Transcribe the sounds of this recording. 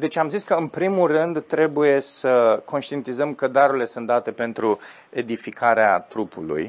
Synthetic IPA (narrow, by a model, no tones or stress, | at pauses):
d̪e̞t͡ʃʲamziskəɨnpɾimulrɨnd̪t̪ɾe̞buje̞səko̞nʃt̪ije̞nt̪izəmkəd̪aɾurile̞sunt̪̚d̪at̪e̞pe̞nt̪ɾu | e̞d̪ifikʰaɾeat̪ɾupṵlṵj